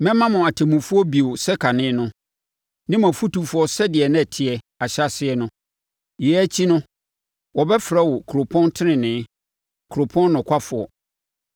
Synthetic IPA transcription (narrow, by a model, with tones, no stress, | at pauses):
mɛ̃˦mã˦mʊ̃˨a˨tʰɛ˨mũ˨fu˦ɔ˦bi˨o˨sɛ˦kʰa˨nɪ̃˦nʊ̃˦ | nɪ̃˦mã˨fu˦tu˨fʊ˦ɔ˦sɛ˦dɪ˨ɛ˨nɪ̃˦ɛ˨tʰɪ˨ɛ˨ | a˨ɕa˦sɪ˦ɛ˦nʊ̃˦ | jɛ˨˦æ˦t͡ɕʰi˦nʊ̃˦ | wɔ˨bɛ˦fɾɛ˦wɔ˨kʰu˨ɾo˨pʰɔ̃˦ntʰɪ˦nɪ̃˨nɪ̃˨˦ | kʰɾo˨pʰɔ̃˦nː˦ʊ̃˨kʰʷa˦fʊ˨ɔ̰˨